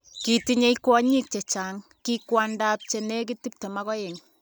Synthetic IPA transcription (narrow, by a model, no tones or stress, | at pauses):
kitiɲejkwɔɲik̚t͡ʃet͡ʃaŋ | kikwandap̚t͡ʃenek̬itip̚tɛmakɔjeŋ